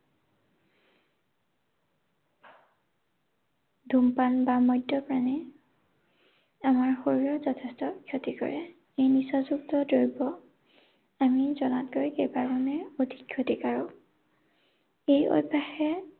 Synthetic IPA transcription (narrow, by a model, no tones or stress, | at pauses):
dʱumpanbamɔjdɔpɹanɛ | amaɹxoɹiɹɔzɔtʰestɔkʰjotikɔ̰ɹɛ | ejnisɔzuktɔdoɹibɔ | amizɔnatɡoɹikejbaɹmɔnɛodʱikʰjotikaɹɔ | ejo̰bʱːaxɛ